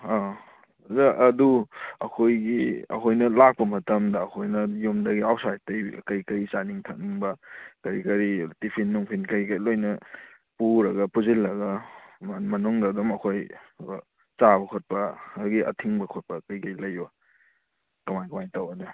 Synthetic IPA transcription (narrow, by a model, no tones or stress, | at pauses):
a | zɐʔɐduɐkʰojɡiɐ̰kʰojnɐlak̚pɐmɐtɐmdɐːkʰojnɐjomdɐɡiawtsajt̚tɐj̰kɐjkɐjt͡ʃaniŋtʰɐkniŋbɐkɐɾikɐɾitipʰinːuŋpʰinkɐjkɐjlojnɐ | puɾɐɡɐpuzilːɐɡɐmmɐnuŋdɐːdɔmɐkʰoj | t͡ʃabɐkʰot̚pɐɡiʔɐ̰tʰiŋbɐkʰot̚pɐkɐjkɐjlɐja | kɐmajkɐmajtawɐdu